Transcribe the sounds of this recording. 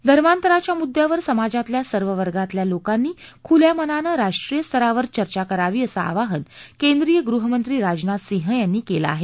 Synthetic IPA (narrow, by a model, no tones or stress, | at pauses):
d̪ʱəɾmant̪əɾat͡ɕjamud̪ʱːjaʋəɾsəmad͡zat̪ljasəɾʋəʋəɾɡat̪ljalokanːiːkʰuljamənanəɾaʂʈɾijəst̪ʰəɾaʋəɾt͡ɕəɾt͡ɕakəɾaʋiːəsaa̰ʋaɦənkend̪ɾijəɡɾuɦəmənt̪ɾiːɾad͡znat̪sĩɦəjanːiːkela̰aɦe